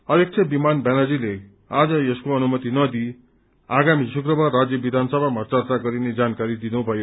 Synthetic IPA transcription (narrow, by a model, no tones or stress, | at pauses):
ʌɾjek̚t͡sʰebimanbanad͡zile | ad͡zʌeskoʌnumʌt̪inʌd̪i | aɡamisukrʌbarad͡zjʌbid̪ʱansʌbʱamʱʌt͡sart̪aɡʌɾined͡zankaɾid̪inubʱʌjo